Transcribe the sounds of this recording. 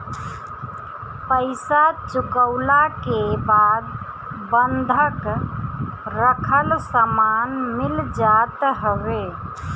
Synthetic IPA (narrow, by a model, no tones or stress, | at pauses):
pəɪsat͡ʃukəʊlakebad̪ | bənd̪ʱək | ɾəkʰəlsəmanmild͡ʒat̪ɦəβe